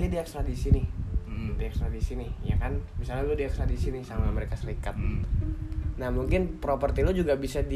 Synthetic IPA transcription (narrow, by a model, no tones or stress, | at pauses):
didiakst̪ɾadisinɪ | diaksɾadisinɪhja̰kanmisalaludiaksɾadisinɪsamaməɾekasəlikat̪̚ | nahmuŋkɪnpɾopərt̪ilod͡ʒuɡabisadi